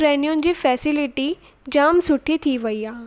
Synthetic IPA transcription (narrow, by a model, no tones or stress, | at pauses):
ɾɛːnijõnɪ̆d͡ʑiːfɛːsɪlɪʈi | d͡ʑaːmsʊʈʰːit̪ʰiʋɐiaː